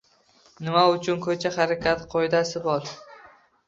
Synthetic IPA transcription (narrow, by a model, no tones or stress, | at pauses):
nɪmaʊt͡ʃʰʊnkʰɵt͡ʃʰaχaɾakʲʰat̪qʰojd̪asɪbɒɾ